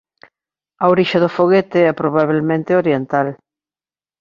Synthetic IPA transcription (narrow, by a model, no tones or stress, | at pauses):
ɐoɾiʃɐðʊfoɣet̪ɪɛpɾoβ̞aβ̞elmẽnt̪ɪoɾjent̪al